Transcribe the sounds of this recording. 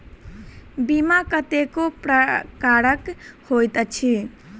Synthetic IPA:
bimakət̪ekopɾkaɾəkhojt̪ət͡ʃʰi

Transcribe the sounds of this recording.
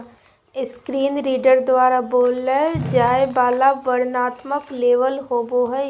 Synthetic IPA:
ɪskɾiːnɾiːɖəɾd̪waːɾaboːlːed͡ʒaːebaːlaʋəɾnaːt̪məkleːʋəlɦoːboɦɛ

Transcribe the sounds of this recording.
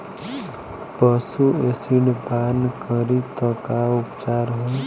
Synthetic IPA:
pəsuesiɳpankəɾit̪əkaʊpt͡ʃaːɾɦũ

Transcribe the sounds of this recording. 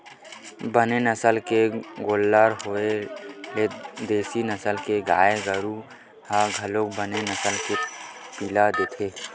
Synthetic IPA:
bənenəsəlkeɡoːlːaɾɦoeled̪eːsinəsəlkeɡaːeɡəɾu | haɡʱəlok̚bənenəsəlkepiːlad̪eːt̪ʰeː

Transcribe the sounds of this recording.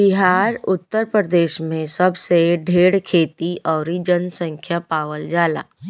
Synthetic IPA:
bɪɦaːɾʊt̪ːəɾpɾəd̪eːʃmẽsɐbseɖʱeːɽkʰeːt̪iʔɔːɾid͡ʒənsə̃ŋkʰjapaːʋəld͡ʒaːla̰ː

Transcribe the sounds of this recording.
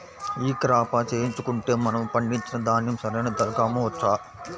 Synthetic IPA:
iːkɾaːpaːt͡ʃeːjiɲt͡ʃukuɳʈe̞ːmɐnɐmpɐɳɖiɲt͡ʃinɐd̪aːnjɐmsɐɾɐjnɐd̪ɐɾkaːmoːtːaː

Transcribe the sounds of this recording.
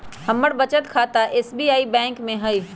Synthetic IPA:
hɐmːəɽbɐt͡ʃət̪kʰaːt̪aʔeːsbiːaːibɛ̃ːŋkmẽɦɐi

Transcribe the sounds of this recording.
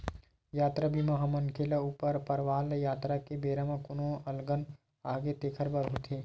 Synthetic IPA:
jaːt̪ɾabʱimɐɦamɐnkʰeːlauːpəɾpɐɾʋaːljaːt̪ɾakebeːɾəmãkʊnõɐlɡən | aːɡet̪eːkʰəɾbɐɾɦoːt̪ʰeː

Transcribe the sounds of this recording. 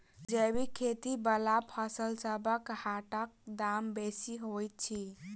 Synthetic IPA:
d͡ʒəbikʰet̪ibəlapʰəsəlsəbəkhaʈək̚d̪ambesiɦojt̪̚t͡ʃʰi

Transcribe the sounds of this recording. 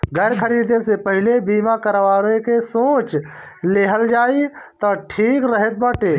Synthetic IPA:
ɡəɾkʰəɾid̪esepəɦilebimakəɾʋaːɾekesoːt͡ʃ | leɦəld͡ʒaːit̪ɔʈʰiːkɾəɦet̪̚bəʈe

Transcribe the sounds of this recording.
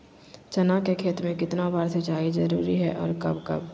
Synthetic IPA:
t͡ʃɐnakekʰeːt̪mẽkɪt̪nabaːɾsɐt͡ʃaːizɐɾuːɾiɦɛʔɔ̰ːɾkɐbkɐ̰b

